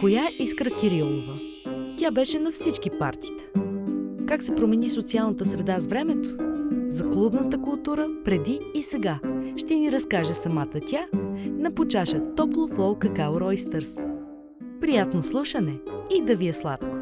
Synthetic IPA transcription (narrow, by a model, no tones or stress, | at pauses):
kojaʔiskɾəkʲiɾilˠovə | t̪ʲabɛʃɛnɐfsit͡ʃkipa̰ɾt̪i̥t̪ə̥ | kaksɛpɾomɛnisot̪sialˠnət̪əsɾɛd̪azvɾɛmɛt̪o̥zɐklˠubnət̪əkʊlˠt̪uɾəpɾɛd̪iːsɛɡaʃt̪ɛniɾɐskaʒɛsɐmat̪ət̪ʲanɐpot͡ʃaʃət̪ɔplˠoflˠɔlkəkaoɾɔjst̪ɛɾs | pɾijat̪noslˠuʃənɛid̪ɐviɛslˠat̪ko̥